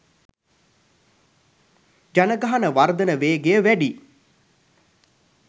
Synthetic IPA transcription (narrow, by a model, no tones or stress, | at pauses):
d͡ʒanəɡaɦanəʋard̪ənəʋeːɡejəʋæɖi